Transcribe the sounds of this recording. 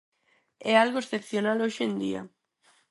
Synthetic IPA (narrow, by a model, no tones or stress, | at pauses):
ɛalɣoesθepθjonaloʃend̪ḭa̰